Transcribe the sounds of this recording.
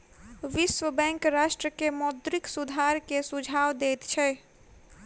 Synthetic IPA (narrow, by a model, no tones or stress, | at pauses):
ʋiswəbɛ̃ŋkɾasʈɾəkemɔd̪ɾiksud̪ʱaɾkesud͡ʒʱawd̪et̪t͡ʃʰɛ